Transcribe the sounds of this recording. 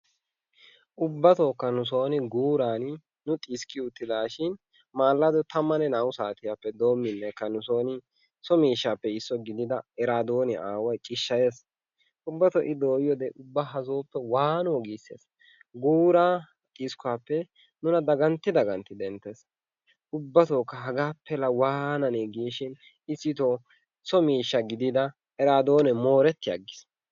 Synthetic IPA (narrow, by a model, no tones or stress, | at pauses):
ʔʊbːɐt̪oːkːɐnʊs̬o̞ːnɪɡuːɾaːn | nʊt̪ʼiːskɪʊt̪ːɪd̪aːʃɪn | maːlːɐd̪ɔt̪ɐmːɐnɛnawʊsaːt̪ɪjapːɛd̪oːmːɪnːɛkːɐnʊso̞ːnɪ | sɔmiːʃːaːpːɛɪsːɔɡɪd̪ɪd̪ɐɛɾaːd̪oːnɪʔaːwɐjt͡ʃʼɪʃːɐjeːs | ʔʊbːɐt̪ɔʔɪd̪oːjjɔd̪ɛʔʊbːaɦɐzoːpːɛwaːnoːɡiːsːḛːs | ɡuːɾaː | t̪ʼiskʊaːpːɛ | nʊnɐd̪ɐɡɐnt̪ːɪd̪ɐɡɐnt̪ɪd̪ɛnt̪ːes | ʊbːɐt̪oːkːɐɦɐɡaːpːɛlɐwaːnɐneɡiːʃɪn | ɪsːɪt̪ɔ | sɔmiːʃːɐɡɪd̪ɪd̪ɐ | ɛɾaːd̪o̞ːnɛmo̞ːɾɛt̪ːɪjɐ̰ɡːɪs